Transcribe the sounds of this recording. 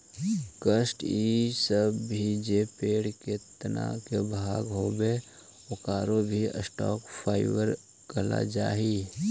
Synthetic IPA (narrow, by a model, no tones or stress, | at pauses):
kəsʈiːsəbʱid͡ʒeːpeːɽket̪əna̰kebʱaːɡɦoːbe | okaːɾobʱiə̰sʈɔ̰ːkpʰaːɪʋəɾ | kəla̰d͡ʒaːɦiː